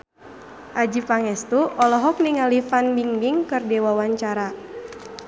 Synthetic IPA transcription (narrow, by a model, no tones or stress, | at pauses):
ʔad͡ʒipaŋɛst̪uʔɔlɔɦɔk̚niŋalifanmiŋbiŋkɨrdɛwawaɲt͡ʃaɾa